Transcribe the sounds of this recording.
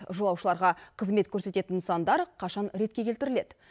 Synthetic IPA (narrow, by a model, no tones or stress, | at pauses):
ʒolˠɑwʃəlˠɑɾʁɑqʰəzme̞t̪kʲʰɵɾse̞t̪e̞t̪ɪnsɑnd̪ɑɾqʰɑʃɑnɾe̞t̪kʲe̞kʲe̞lt̪ɪɾɪle̞d̪ɪ